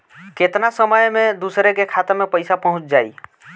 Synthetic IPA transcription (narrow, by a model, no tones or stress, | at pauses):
ket̪nasəməjmẽd̪uːsɾekekʰat̪əmẽpəɪsapəɦʊ̃t͡ʃd͡ʒaːi